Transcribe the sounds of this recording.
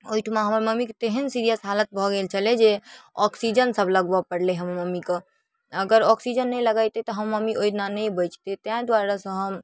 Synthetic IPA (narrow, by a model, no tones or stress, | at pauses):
ojʈʰmaɦəməɾməmikt̪eɦənsiɾijəsɦalət̪̚bʱɔɡelt͡ʃʰəled͡ʒeɔksid͡ʒənsəbʱləɡbəpəɽleɦəmməmike | əɡəɾɔksid͡ʒənːɛjləɡajt̪et̪ɔɦəmːəmiʔojʈʰnanəbəjt͡ʃt̪et̪ãd̪waɾasə̃ɦəm